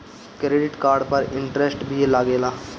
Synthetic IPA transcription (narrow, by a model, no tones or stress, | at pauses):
kɾeːɖɪʈkaːɾɖpɐɾɪ̃ɳʈɾesʈbʱielaːɡeːlaː